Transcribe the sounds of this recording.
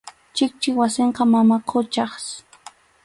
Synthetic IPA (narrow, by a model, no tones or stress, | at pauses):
t͡ʃɪk̚t͡ʃɪwasɪɴqɑmamaqʰot͡ʃɑχs